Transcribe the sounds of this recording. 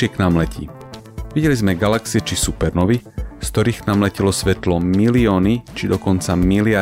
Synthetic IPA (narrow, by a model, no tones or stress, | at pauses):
ɪɛknamlɛcʰḭː | ʋiɟɛlizmɛɡalaksiɛt͡ʃisupɛɾnɔʋiskt̪ɔɾiːxknamlɛcilɔsʋɛt̪lɔmiliɔːnit͡ʃid̪ɔkɔnt͡samilɪa